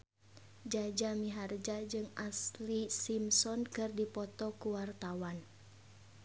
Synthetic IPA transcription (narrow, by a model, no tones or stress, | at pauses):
d͡ʒad͡ʒamiɦard͡ʒad͡ʒɨŋaslisimsɔnkɨrdipɔt̪ɔkuwart̪awan